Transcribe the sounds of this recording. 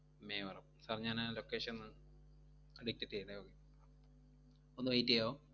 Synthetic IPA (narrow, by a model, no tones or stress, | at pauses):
meːʋɐrɐmsaːrɲːaːnlokːeːʂenːɨ | ɖik̚tːetːɐjɳɖeokːe | onːɨʋɐjitːijoː